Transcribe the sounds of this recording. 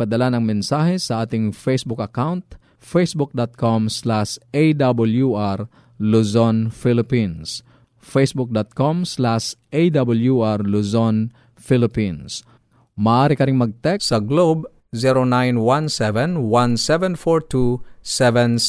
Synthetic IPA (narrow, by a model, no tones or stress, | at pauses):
pɐd̪ɐlanɐŋmɛnsaːɦɛsɐʔaːt̪ɪŋfejsbʊkɐkawnt̪ | fejsbʊk̚d̪ɔt̪̚kʰomslaʃejd̪abʊljuʔaɾ | luzonfilɪpins | fejsbʊk̚d̪ɔt̪̚komslaʃʔejd̪abɐljuʔaɾluzon | filɪpins | mɐʔaːɾɪkɐɾɪŋmɐɡ̚t̪ɛsɐɡlob | ziɾonãjnwãnsɛvɛ̃nwãnsɛvɛ̃nfɔɹt̪ʰusɛvɛ̃n